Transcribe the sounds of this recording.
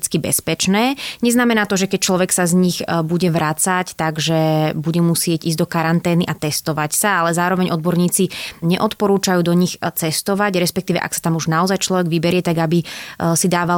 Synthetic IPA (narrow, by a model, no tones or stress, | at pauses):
t͡skibɛ̰spɛt͡ʃnɛːɲɛznamɛnaːt̪ɔʒɛkɛc̚t͡ʃlɔʋɛksazɲixbuɟɛʋɾat͡sact̪aɡʒɛbuɟɛmusɪɛɟiːzɟd̪ɔkaɾant̪ɛːniʔat̪ɛst̪ɔʋacsaalɛzaːɾɔʋɛɲʔɔd̪bɔɾɲiːt͡siɲɛʔɔt̪pɔɾuːt͡ʃajuːd̪ɔɲixt͡sɛst̪ɔʋaɟɾɛspɛk̚t̪iːʋɛ̰ʔa̰ksḁt̪amuʒnaɔzajt͡ʃlɔʋɛɡʋibɛɾɪɛt̪aɡabisid̪aːʋa